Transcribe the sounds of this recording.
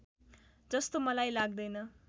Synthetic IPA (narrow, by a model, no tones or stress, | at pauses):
d͡zʌst̪omʌlajlaɡd̪ʌjnʌ